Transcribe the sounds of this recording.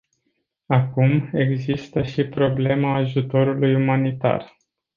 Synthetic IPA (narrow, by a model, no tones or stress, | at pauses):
akume̞ɡzist̪əʃipɾo̞ble̞maːʒut̪o̞ɾulujumanit̪a̰r